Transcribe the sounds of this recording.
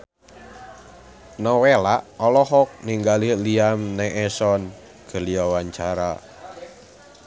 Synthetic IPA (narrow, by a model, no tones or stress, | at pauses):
nɔwelaʔɔlɔɦɔk̚niŋɡaliliamnɛʔɛsɔn | ɡ̥ə̤liawaɲt͡ʃaɾa̰